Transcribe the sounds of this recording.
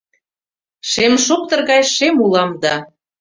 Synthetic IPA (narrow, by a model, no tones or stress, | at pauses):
ʃemʃok̚t̪ɤ̆rɣɑjʃemulɑmd̪ɑ